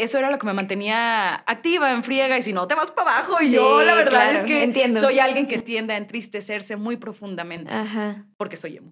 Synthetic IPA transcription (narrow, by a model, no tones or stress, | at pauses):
e̞so̞e̞ɾalo̞ke̞me̞mãnt̪e̞niaak̚t̪iβaeɱfɾje̞ɣaisino̞t̪e̞βaspaβaxo̞iʝolaβeɾðaðeskenjend̪soso̞jalɣje̞ŋket̪je̞nd̪eaent̪ɾist̪e̞se̞ɾse̞mujpɾo̞fund̪amẽ̞nt̪ahapo̞ɾke̞so̞jḛmu